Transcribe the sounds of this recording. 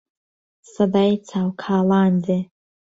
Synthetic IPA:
sadajt͡sʰawkʰaːlande

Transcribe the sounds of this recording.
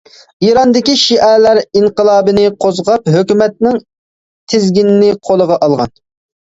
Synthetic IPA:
iɾɑnd̪ɪkʲiʃiʔɛlæɾiŋqəlˠɑːbɨnɪqʰozʁɑpɦøkʲymɛt̪̚nɪŋ | t̪ʰɪzɡʲinɪnɪqʰolˠəʁɑʔɑlˠʁɑ̰n

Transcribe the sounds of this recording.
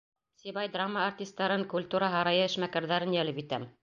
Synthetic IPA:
sʲiβɑjd̪ramːəːrt̪ʲist̪ːɑɾɤŋkulʲt̪uɾɑɦɑɾɑjɤɘ̆ʃmækæɾðæɾɘnjælɘpit̪æm

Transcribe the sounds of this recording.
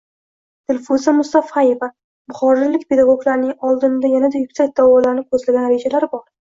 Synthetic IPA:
d̪̥ɪlʲfuzamʊst̪afaje̞va | bʊχɒɾɪlɪkʲpʰe̞d̪aɡoɡlaɾnɪŋɒlˠd̪ɪnd̪ajanad̪ajʊkʲsak̚ʲd̪̥awɒlaɾɪnɪkʰɵzlaɡʲanɾe̞d͡ʒalaɾbɒɾ

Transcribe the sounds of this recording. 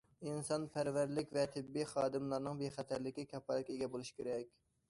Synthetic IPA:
insɑnpʰæɾvæɾlɪkʲvɛt̪ʰɪbːiχɑːd̪ɨmlˠɑɾnɨŋbeχɛt̪ʰæɾlɪkʲikʲʰɛpɑlɪkʲeɡʲɛbolˠuʃkʲʰeɾɛkʲ

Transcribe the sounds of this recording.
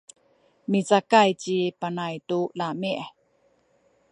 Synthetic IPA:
mit͡sakajt͡ɕipanajtulamiʔ

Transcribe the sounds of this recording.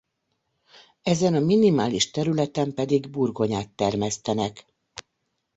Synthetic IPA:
ɛzɛnɒminimaːliʃt̪ɛɾylɛt̪ɛmpɛd̪iɡburɡo̞ɲaːt̪ːɛrmɛst̪ɛnɛk

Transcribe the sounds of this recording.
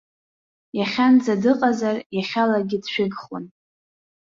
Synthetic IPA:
jaχʲand͡zadɨqʼazarjaχʲalaɡʲɪdʃᶣɪɡχwʊn

